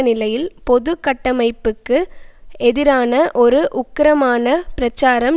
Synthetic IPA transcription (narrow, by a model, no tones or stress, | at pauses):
nɪlɐjɪlpɔðɯkɐʈːɐmɐɪpːɯkːɯɛðɪɾaːnɐʔɔɾɯʔʊkːɪɾɐmaːnɐpɪɾɐt͡ʃːaːɾɐm